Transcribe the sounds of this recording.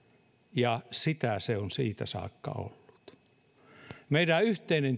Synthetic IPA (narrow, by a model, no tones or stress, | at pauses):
jɑsit̪æseonsiːt̪æsɑ̰ːkːɑ̰o̰lːu̥t̪ | meiɾæyht̪einen